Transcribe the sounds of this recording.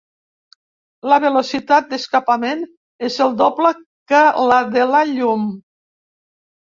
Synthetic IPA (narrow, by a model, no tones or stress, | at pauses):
ləβelosit̪at̪̚d̪əskapamen | ezəlˠd̪opləkəlaðelaʎum